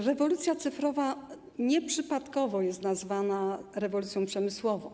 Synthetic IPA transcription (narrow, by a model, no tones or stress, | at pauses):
ɾɛvɔlut̪sʲjat̪sɘfɾɔva | ɲɛpʂɘpat̪kɔvɔjɛst̪nazvanaɾɛvɔlut̪sjɔ̃pʂɛmɘswɔvɔ̃w̃